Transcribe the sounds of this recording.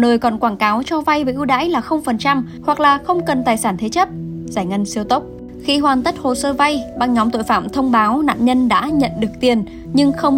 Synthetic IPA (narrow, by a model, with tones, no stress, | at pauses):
nəː˨˩jkɔ˨˩nkwaː˧˩nkaː˨˦wt͡ɕɔ˧va˧jvəː˨˩ʔɨ˧wɗa̰ː˧˥jlaː˨˩xə˧wŋ͡mfə˨˩nt͡ɕa˧m | hwa˨˩k̚laː˨˩xə˧wŋ͡mkə˨˩nt̪aː˨˩jsaː˧˩nt̪ʰe˨˦t͡ɕə˦˥p̚zaː˧˩jŋə˧nsi˧əwt̪ə˦˥wk͡p̚ | xi˧ɦwaː˨˩nt̪ə˦˥t̚ho˨˩səː˧va˧jɓaː˧ŋɲɔ˨˦mt̪o̰˧˨jfaː˧˩˨mt̪ʰə˧wŋ͡mɓaː˨˦wna̰ː˧˨nɲə˧nɗa̰ː˧˥ɲə̰˧˨nɗɨ˨˩ək̚t̪i˨˩ən | ɲɨ˧ŋxə˧wŋ͡m